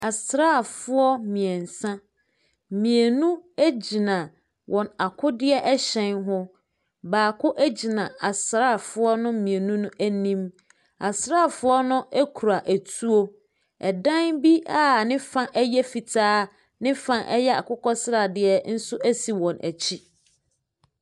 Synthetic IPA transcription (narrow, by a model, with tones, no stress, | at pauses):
a˨sɾaː˦˨fʊ˦ɔ˦mĩ˨ɛ̃˨n̩˨sã˦ | mĩ˨e˨nũ˦æ˦d͡ʑi˨nã˨ | wʔɔ̃˨na˨kʰʊ˦dɪ˦ɛ˦ʔɛ˦ɕɛ̃˦nɦʊ˦ | baː˨kʰʊ˦ʔæ˦d͡ʑi˨nã˨a˨sɾa˦˨fʊ˦ɔ˦nʊ̃˦mĩ˨e˨nũ˦nʊ̃˦ʔæ˦nĩ˦m | a˨sɾa˦˨fʊ˦ɔ˦nʊ̃˦æ˦kʰu˨ɾa˨ʔæ˨tʰu˦o˦ | ɛ˨dã˦nbi˦a˦˨nɪ̃˦fã˦ʔɛ˦jɛ˦fi˨tʰaː˦ | nɪ̃˦fã˦ʔɛ˦jɛ˦a̰˨kʰʊ˦kɔ˦sɾa˨dɪ˦ɛ˦n̩˦sʊ˦ʔæ˦si˨wɔ̃˨nʔæ̰˨t͡ɕʰi˦